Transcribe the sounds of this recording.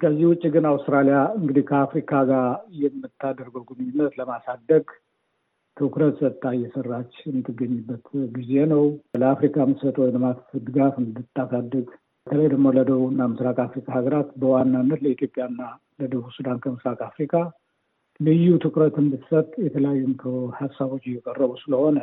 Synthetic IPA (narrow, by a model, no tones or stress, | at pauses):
kʰəzːihwʊt͡ʃʼːiɡɨnawst̪ɾalijaɨŋɡɨd̪ihkʰəafɾikʰaɡaɾjɛmːɨt̪ʰːad̪əɾɡəɡunɨɲːɪnːət̪ləmasad̪ːəɡ | t̪ʰɨkɾət̪sət̪ʼːajːɛsərːat͡ʃːjɛmɨt̪ʰːɨɡːəɲːɨbːət̪ɡize̞nəwləafɾikʰamɨsət̪ʼwɔjləmat̪d̪ɨɡafɨnd̪ɨt̪ːasad̪ːəɡ | bət̪ʰələjd̪əɡmo̞ləd̪əβuɨnːamɨsɾakʼafɾikʼahaɡəɾat̪bəwanːanːət̪ləit̪ʰjo̞pʼjanːa | ləd̪əβusud̪ankʰəmɨsɾakʼafɾikʼa | lɨjːut̪ʰɨkɾət̪ɨndɨsət̪ʼjɛt̪ʰələjajːumkʰəhasːaβo̞t͡ʃːɪjːɛkʼərːəβusɨləho̞nə